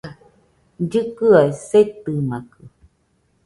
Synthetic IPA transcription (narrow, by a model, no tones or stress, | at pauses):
d͡ʒɨkɨaeset̪ɨmakɯ